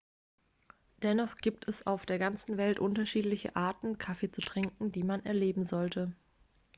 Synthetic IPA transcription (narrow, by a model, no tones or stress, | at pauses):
d̥ɛnɔχɡ̥iːp̚tʰɛsa̰ʊfd̥eːɐɡant͡sn̩vɛltʔʊntɐʃiːtlɪçə̰ʔaːɐtn̩kʰafeːt͡sutʁ̥ɪŋkŋ̩d̥iːmanɛɐleːbm̩zɔltʰə